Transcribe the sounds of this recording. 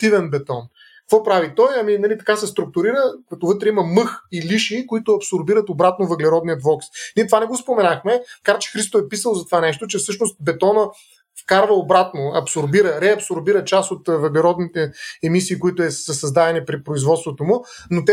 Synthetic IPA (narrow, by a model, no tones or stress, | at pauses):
t̪ivɛnbɛt̪ɔn | kkvɔpɾavit̪ɔjɐminɐlit̪ɐ̥kasɛst̪ɾʊk̚t̪ʊɾiɾəkɐt̪ovɤt̪ɾɛimɐmɤxiliʃikoit̪ʊɐpsoɾbiɾət̪obɾat̪novəɡlɛɾɔd̪nijət̪vɔksniɛt̪ovanɛɡospomɛnaxmɛkaɾt͡ʃɛ̥xɾist̪oɛpisəlˠzɐt̪ovanɛʃt̪ot͡ʃɛfsɤʃnost̪̚bɛt̪ɔnə | fkaɾvəobɾat̪noɐpsoɾbiɾəɾɛɐpsoɾbiɾət͡ʃasot̪vɐɡlɛɾɔd̪nit̪ɛɛmisiːkʊit̪ʊɛsəsɐzd̪ad̪ɛnipɾipɾoizvɔt̪st̪vot̪omʊnot̪ɛ